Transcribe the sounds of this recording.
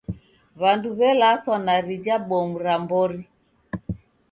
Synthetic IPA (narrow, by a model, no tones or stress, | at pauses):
βanduβɛlasɔnaɾid͡ʒabɔmuɾambɔɾi